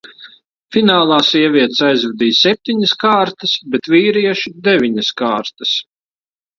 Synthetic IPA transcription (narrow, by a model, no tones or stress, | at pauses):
finaːlˠɑːsiɛvʲiɛt̪sajzvʲɛd̪iːsɛp̚t̪iɲɪskaːɾt̪ɨsbɛt̪viːɾiɛʃud̪ɛvʲiɲɐskaːɾt̪ɐ̥s